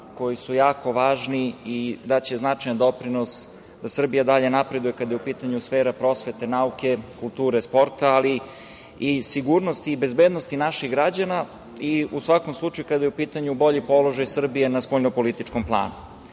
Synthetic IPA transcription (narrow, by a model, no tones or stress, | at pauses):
ko̞jisujaːko̞ʋaːʒniid̪at͡ɕe̞znat͡ʃajand̪o̞pɾino̞s | d̪asr̩bijad̪aʎe̞napɾe̞d̪uje̞kad̪ajeupiːt̪aɲusfeːɾapɾo̞sʋe̞t̪e̞nauke̞kulˠt̪uːɾespo̞ɾt̪aːli | isiɡuɾno̞st̪iːbezbed̪nost̪inaʃiɣɡɾad͡ʑana | iusʋako̞mslˠut͡ʃajukad̪ajeupiːt̪aɲubo̞ʎipo̞lo̞ʒajsr̩bije̞naspoʎnopo̞lit̪it͡ʃkomplˠa̰ːnu